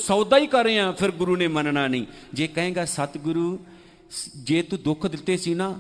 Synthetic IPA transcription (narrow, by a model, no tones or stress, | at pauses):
sɔːd̪aːiːkəɾːẽːãːpʰɪɾɡʊɾuːneːmənnaːnəĩːd͡ʒeːkə̃ɦẽːɡaːsət̪ɡʊɾuː | d͡ʒeːt̪ũːd̪ʊkʰd̪ɪt̪ːeːsiːnaː